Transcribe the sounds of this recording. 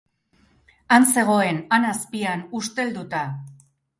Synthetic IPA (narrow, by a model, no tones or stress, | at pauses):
anse̞ɣ̞o̞e̞nanaspianust̪e̞ld̪ut̪a